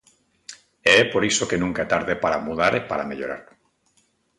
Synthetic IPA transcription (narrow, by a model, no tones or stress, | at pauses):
eɛpoɾisokenũŋkaet̪aɾðepaɾamuðaɾepaɾameʎoɾa̰ɾ